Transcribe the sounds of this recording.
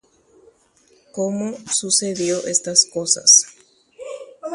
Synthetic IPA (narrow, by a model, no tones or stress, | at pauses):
komosuseðjoʔest̪askosa̰s